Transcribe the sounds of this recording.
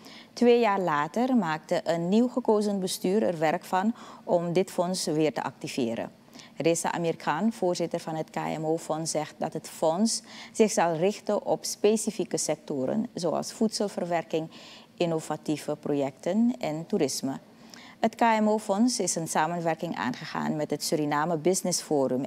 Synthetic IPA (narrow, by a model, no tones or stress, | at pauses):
tʋeːjaːrlaːtərmaːk̚təʔənːiwχəkowzənbəstyːɾə̰rʋɛrkfɑnʔɔmdɪtfɔnsʋɪːrtə̰ʔɑ̰k̚tivɪːɾə̰ | rɪsa̰ʔa̰meɾikʰaːnv̥oːɹzɪtərvɑnɦətka̰ːɛ̰moːfɔnszɛxt̚dɑtɦətfɔnsz̥ɪxz̥ɑlˠrɪxtəʔɔ̰pspesifikəsɛk̚toːɾə̰nzowɑ̰lˠsfutsəlˠvərʋɛrkɪŋʔɪnov̥ativəprojɛk̚tənɛnturɪsmə | ɦətkaːɛmoːfɔnsɪsənsaːmənʋɛrkɪŋʔa̰ːnχəχa̰ːnmɛtɦətsyɾinaːməbɪsnɪsfoːɾʏm